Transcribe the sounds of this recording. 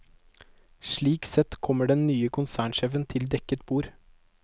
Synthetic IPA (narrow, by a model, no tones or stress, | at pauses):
ʃɭiːksɛt̪kʰɔməɖɛnnyːəkʰʊnsæːɳʃɛːfənt̪ʰɪld̪ɛkət̪buːɾ